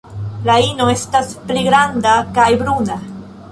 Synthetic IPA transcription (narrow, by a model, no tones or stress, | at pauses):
laino̞e̞staspliɡɾandakajbɾuna